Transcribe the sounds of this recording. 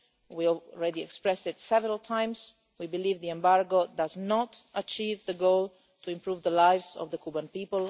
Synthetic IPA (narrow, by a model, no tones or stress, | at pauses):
wiɔɹɛdiɛkspɹɛstɪtsɛvəɾalˠtʰãɪ̃mz | wibɨlivðiɛ̃mbaɹɡodaznɔtʔət͡ʃivðəɡoʊlˠ | tʰuɪ̃mpɹuːvðəlaɪvzɔ̰vðəkʰubə̃npiːpəl